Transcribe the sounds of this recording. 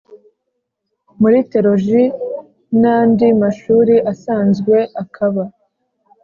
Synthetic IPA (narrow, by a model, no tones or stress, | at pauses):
muɾite̞ɾo̞ʒi | naːndimaʃuːɾiʔasaːnzɡwe̞ʔakʰaβa